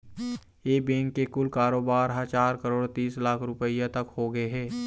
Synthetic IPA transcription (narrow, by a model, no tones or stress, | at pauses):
jeːbẽːŋkːekʊlkaːɾoːbaːɾɦãt͡ʃaːɾkəɾoːɽt̪iːslaːkʰɾʊpəijat̪ɐkhoːɡəeɦɛː